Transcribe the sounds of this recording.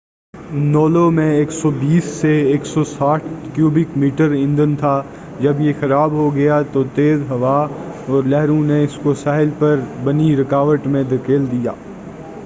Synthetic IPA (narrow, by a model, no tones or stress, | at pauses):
nɔːlomẽeːksɔbiːsːeeːksɔsaːʈʰkjuːbɪkmiːʈəɾɪ̃nd̪ənt̪ʰaː | d͡ʒɐbjexɐɾaːbɦoɡɐjat̪ot̪eːzɦɐʋaːɔːɾlɛɦɾũneɪskosaːɦɪlpɐɾbɐniɾɪkaːʋəʈmẽd̪ɐkeːld̪ija̰ː